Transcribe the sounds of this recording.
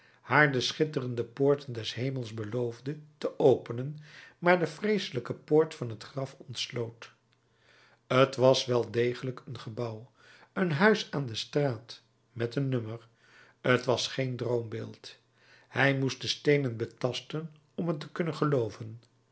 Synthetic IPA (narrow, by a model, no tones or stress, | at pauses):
haːɹdəsχɪtərəndəpʊːɹtəndɛsɦejmlˠzbəlowvdətəʔowpənənmaːɹdəfrejsələkəpoːɹtfɑnɦətχrɑfɔntslowt | ətʋɑsʋɛlˠdejχələkənχəbɑw | ənɦœɥsaːndəstraːt | mɛtənːømər | ətʋɑsχejndrowmbeːlˠt | hɛjmust̚dəstejnənbətɑstən | ɔmɦətəkɵnənχəlowvən